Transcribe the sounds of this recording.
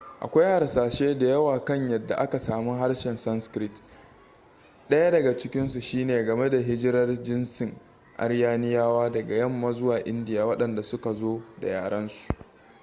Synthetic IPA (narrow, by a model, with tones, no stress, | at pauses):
ʔa̰˨kʷa˦jha˨ɾsaː˨ʃeː˦da˨jɐ˦waː˨kɐ˦ɲjɐ˨dːa˨ʔa˦ka˨saː˨mu˦ɦa˦rʃɛ˨nsɐ˦nskɾɪ˦t | ɗɐ˦ja˦dɐ˨ɡa˨t͡ʃɪ˦kʲɪ˦nsu˨ʃiː˦neː˨ɡɐ˨me˦da˨ɦɪ˦d͡ʒɪ˦ɾɐ˦rd͡ʒɪ˦nsɪ˨ŋ | ʔa̰˦ɽjaː˦nɪ˦jaː˦waː˦dɐ˨ɡa˨jɐ˦˨mːa˦zʊ˦waː˨ʔɪ˦ndɪ˨jaː˨wɐ˦ɗɐ˨nda˨sʊ˦ka˨zoː˦da̰˨jaː˨ɽɐ˦nsu̥˨ʔ